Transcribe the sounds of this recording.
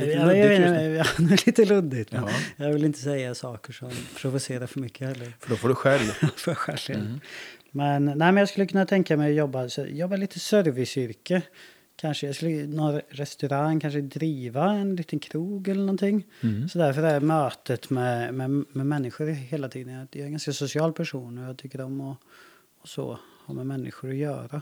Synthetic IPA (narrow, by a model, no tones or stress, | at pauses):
jɑeːnəɛjɑd̪ɛɭiːt̪əlɵd̪ɪɡt̪mɛnjɑvɪlɪnt̪əsɛjːasɑːkəʂɔmpʰɾʊvʊseːɾaɾfœɾmʏkːəhɛlːəɾfœɖɔfoːɖɵɧɛlvfɔɧɛlḛ | mɛnnæɪmɛnjɑɡskɵlːəkɵnːat̪ʰɛŋkamɛjɔjɔbːasɔjɔbːaliːt̪ʰəsœɾvɪsʏɾkə | kʰanʂəjɑːskɵlːənɔnɾɛst̪ɵɾaŋkʰanʂəd̪ɾiːvaɛnliːt̪ənkʰɾuːɡɛlːəɳɔnt̪ʰɪŋːsɔd̪æɾfœɾæɾmøːt̪ət̪mɛmɛmɛmɛnːɪɧʊɾheːlat̪ʰiːd̪ənjaaɛnɡanskasʊsɪɑːlpʰæʂuːnɔjɑːt̪ʰʏkːəɾɔmːɔ | ɔsɔ̰ha̰mɛmɛnːɪ̰ɧʊɾɔjœːɾa